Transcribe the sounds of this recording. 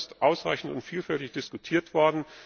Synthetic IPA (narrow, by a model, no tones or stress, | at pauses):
stʔaʊsʁa̰ɪçn̩tʊntfiːlfɛltɪçd̥ɪskutʰiːɐtv̥ɔɐdn̩